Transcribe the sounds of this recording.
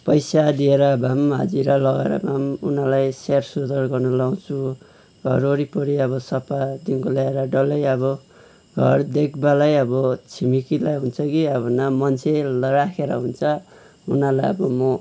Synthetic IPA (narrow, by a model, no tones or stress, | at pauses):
pʌjsad̪ieɾʌbʱamɦʌ̰d͡ziɾʌlʌɡeɾʌ̰bʱamṵnalajsersud̪ʌrɡʌrnʌlaw̃t͡sʰu | ɡ̥ʱʌ̰ɾoɾipʌɽiʌβʌsʌpad̪inkolaeɾʌɖʌlʌjʌbʌ | ɡʱʌrd̪ek̚balajʌbʌt͡sʰimikilajɦunt͡sʰʌkiʌbʌnʌmʌnt͡sʰelrakʰeɾʌ̰ɦunt͡sʰʌ | unalajʌbʌmʌ